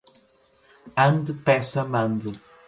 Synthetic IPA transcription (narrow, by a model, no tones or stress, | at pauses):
ɐ̃nd̪ɨpɛsɐmɐ̃nd̪ɨ